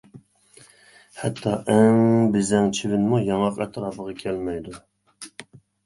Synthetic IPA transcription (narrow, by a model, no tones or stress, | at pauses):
hɛt̪ʰːɑʔɛŋbɪzɛŋt͡ʃʰivɪnmujɑŋɑqɛ̰t̪ʰɾɑːpəʁɑkʲʰɛlmɛjd̪u